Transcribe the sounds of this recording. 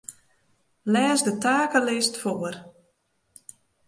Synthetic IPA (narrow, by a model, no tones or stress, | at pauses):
lɛːzdətaːkəlɪstfoər